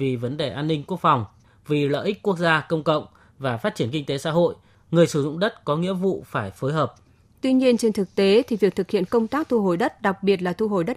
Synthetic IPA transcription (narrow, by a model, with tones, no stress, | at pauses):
vi˨˩və˨˦nɗe˨˩ʔaː˧nːï˧ŋku˦˥ək̚fa˨˩wŋ͡m | vi˨˩lə̰ː˧˨ʔi˦˥k̟̚ku˦˥ək̚zaː˧kə˧wŋ͡mkə̰˧˨wŋ͡m | vaː˨˩faː˦˥t̚t͡ɕi˧˩ənkï˧ŋ̟t̪e˨˦sa̰ː˧˥ɦo̰˧˨j | ŋɨ˨˩əjsɨ˧˩zʊ̰˧˨ŋ͡mɗə˦˥t̚kɔ˨˦ŋḭ˧˥əvṵ˧˨faː˧˩jfoː˨˦jɦəː˨˩p̚ | t̪wi˧ɲi˧ənt͡ɕe˧nt̪ʰɨ˨˩k̚t̪e˨˦t̪ʰi˨˩vi˨˩ək̚t̪ʰɨ˨˩k̚hḭ˧˨ənkə˧wŋ͡mt̪aː˦˥k̚t̪ʰu˧ɦo˨˩jɗə˦˥t̚ɗa˨˩k̚ɓi˨˩ət̬̚laː˨˩t̪ʰu˧ɦo˨˩jɗə˦˥t̚